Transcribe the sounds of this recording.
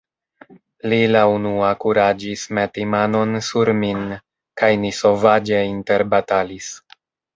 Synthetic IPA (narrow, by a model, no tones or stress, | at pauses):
lilaunuakuɾad͡ʒismetimano̞nsuɾmin | kajniso̞vad͡ʒe̞inte̞ɾbatalis